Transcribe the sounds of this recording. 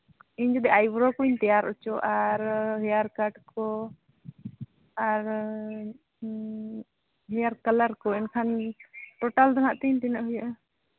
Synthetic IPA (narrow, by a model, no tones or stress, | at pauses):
iɲd͡ʒɔd̪ɛʔajbɾɔkuɲt̪ɛjaɾut͡ʃɔʔaɾɦɛjaɾkaʈkɔ | aɾ | ɦɛjaɾkəlaɾkɔɛnkʰanʈɔʈald̪anaʔt̪iɲt̪inaʔɦujɔʔɛ